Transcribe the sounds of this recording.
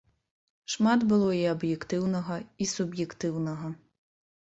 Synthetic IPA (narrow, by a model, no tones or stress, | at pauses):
ʃmɑd̪bʊlˠɔiɐbjekt̪ɪwnɔɦɐisʊbjekt̪ɪwnɔɦɐ